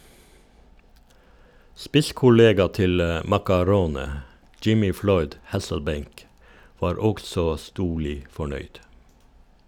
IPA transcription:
ˈspɪskʊˌleːɡɑ ˈtɪl ə mɑkɑˈɾoːnə ˈd͡ʒɪmɪ ˈflɔʏd ˈhæsl̩ˌbeɪŋk ˈʋɑːɾ ˈɔɡsɔ ˈstuːɭɪ fɔˈɳœʏd

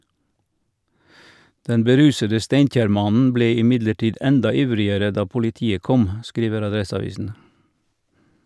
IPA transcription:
ˈdɛn bəˈɾʉːsədə ˈsteɪnˌc͡çæːɾˌmɑnn̩ ˈbleː ɪˈmɪdləˌʈiːd ˈɛndɑ ˈɪʋɾɪəɾə ˈdɑː pʊlɪˈtiːə ˈkɔm ˈskɾiːʋəɾ ɑˈdɾɛsɑˌʋiːsn̩

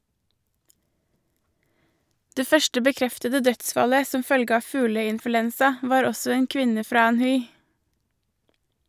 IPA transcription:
ˈdeː ˈfœʃʈə bəˈkɾɛftədə ˈdœtˌsfɑlə ˈsɔm ˈfœlɡə ˈɑː ˈfʉːləɪnfʉˌlɛnsɑ ˈʋɑːɾ ˈɔsɔ ˈeːn ˈkʋɪnə ˈfɾɑː ˈæːnˌhʉɪ

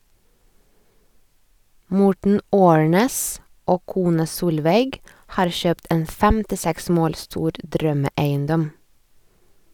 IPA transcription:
ˈmɔʈɳ̩ ˈoːɳeːs ˈoː ˈkuːnɑ ˈsuːlʋeɪɡ ˈhɑːɾ ˈçøːpt ˈeːn fɛmtɪˈsɛks ˈmoːl ˈstuːɾ ˈdɾœməˌæɪənˌdɔm

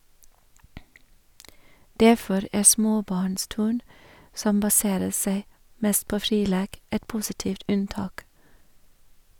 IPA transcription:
ˈdæfɔɾ ˈæː ˈsmoːˌbɑːɳˌstʉːɳ ˈsɔm bɑˈseːɾə ˈseɪ ˈmɛst ˈpoː ˈfɾiː ˈleːk ˈɛt ˈpuːsɪˌtiːft ˈʉnˌtɑːk

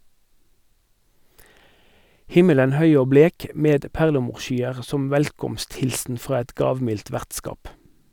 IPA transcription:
ˈhɪmələn ˈhœʏ ˈoː ˈbleːk ə ˈmeːd ˈpæʁləˌmuːʁˌʃyːəʁ ˈsɔm ˈʋɛlkɔmstˌhɪlsn̩ ˈfʁɑː ˈɛt ˈɡɑːʋˌmɪlt ˈʋæʁtˌskɑːp

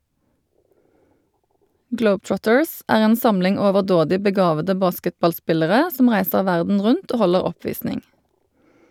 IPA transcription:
ˈɡləʊbˌtɹɔtəɹs ˈæːʁ ˈeːn ˈsɑmlɪŋ oːʋəʁˈdoːdɪ bəˈɡɑːʋədə ˈbɑːskətbɑlˌspɪləʁə ˈsɔm ˈʁæɪsəʁ ˈʋæʁdn̩ ˈʁʉnt ˈoː ˈhɔləʁ ˈɔˌpʋiːsnɪŋ

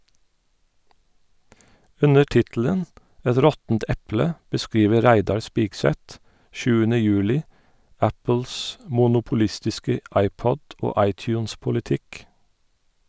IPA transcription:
ˈʉnə ˈʈɪtl̩ən ˈɛt ˈɾɔtn̩t ˈɛplə bəˈskɹiːʋə ˈɾæɪdɑɹ ˈspiːɡˌsɛt ˈʃʉːənə ˈjʉːlɪ ˈæpl̩s mʊnʊpʊˈlɪstɪskə ˈɑɪpɔd ˈoː ˈɑɪˌtjʉːnspʊlɪˌtɪk

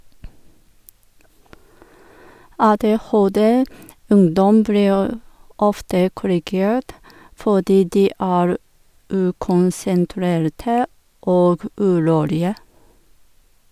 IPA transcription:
ˌɑːˌdeːˈhoːˌdɛ ˈʉŋdɔm ˈbliːɹ ˈɔftə kʊɾɪˈɡeːɹt ˈfoːdiː ˈdiː ˈʔæːɹ ˈʔʉːkʊnsənˌtɾeːɾtə ˈʔoːɡ ˈʔʉːˌɾuːlɪə

